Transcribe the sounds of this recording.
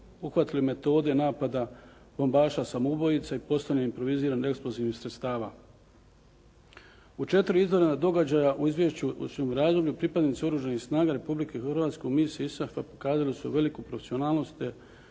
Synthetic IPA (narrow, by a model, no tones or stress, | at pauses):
uxʋat̪ilime̞t̪o̞ːd̪e̞naːpad̪a | b̥o̞mbaːʃasamoubo̞jit̪saipo̞st̪aɲeimpɾo̞ʋiziːɾaneksploziːʋnixsɾet̪st̪aːʋa̰ː | ut͡ʃe̞t̪ɾiizʋo̞ɾenad̪o̞ɡad͡ʑajaʔuizʋjeʃt͡ɕusumɾaːzd̪obʎupɾipad̪nit̪seoɾuːʒanixsnaːɡaɾe̞publikexrʋaːt̪skemisiisafapo̥kaːzalisuʋe̞likupɾofesio̞naːlˠno̞st̪e